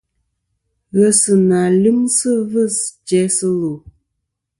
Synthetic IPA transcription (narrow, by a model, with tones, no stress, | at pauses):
ɣə˨sɨ˨na˨li˦msə˦və˦˨st͡ʃɛ˨˦sə˦lo˨